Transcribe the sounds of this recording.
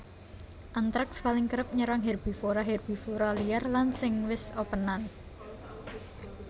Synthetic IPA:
ʔant̪ɾak̚spalɪŋkəɾəp̚ɲəɾaŋɦɛrb̥i̤foɾaɦɛrb̥i̤foɾalijarlansɪŋwɪsopənan

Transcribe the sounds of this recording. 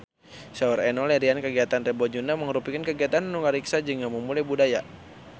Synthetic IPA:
sauɾɛnɔlɛɾiankəɡiat̪anrɛbod͡ʒunaməŋəɾupikankəɡiat̪annuŋəɾiksad͡ʒɨŋaməmulajbudaja

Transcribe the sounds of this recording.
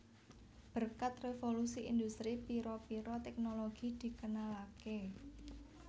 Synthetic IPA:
b̥ərkat̪refolusiʔind̪ust̪ɾipiɾɔpiɾɔt̪ɛk̚noloɡ̥id̪̥i̤kənalake

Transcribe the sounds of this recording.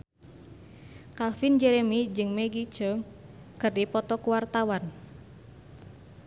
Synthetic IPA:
kalfind͡ʒɛɾemid͡ʒɨŋmeɡi̥t͡ʃɔŋ | kɨrdipɔt̪ɔkuwart̪awan

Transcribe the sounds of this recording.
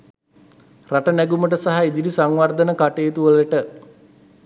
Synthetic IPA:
raʈənæɡuməʈ̬əsaɦaid̪iɖisaŋʋard̪ənəkaʈeːt̪uʋələʈə

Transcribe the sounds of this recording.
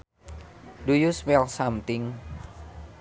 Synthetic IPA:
dujuswɛlsamt̪ɪŋ

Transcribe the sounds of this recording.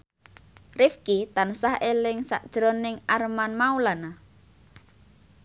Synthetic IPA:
rifkit̪ansahelɪŋsa̰ʔd̥ʒ̥ɾonɪŋarmanmaulana

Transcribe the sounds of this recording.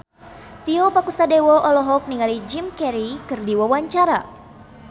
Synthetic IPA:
t̪iɔpakusadewɔʔɔlɔɦɔk̚niŋalid͡ʒimkɛɾikɨrdiwawaɲt͡ʃaɾa

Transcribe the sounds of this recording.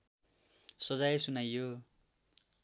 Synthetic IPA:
sʌd͡zajsunajːo

